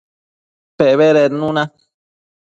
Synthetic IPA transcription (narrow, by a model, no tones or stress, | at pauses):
peβeɾeɾnũnã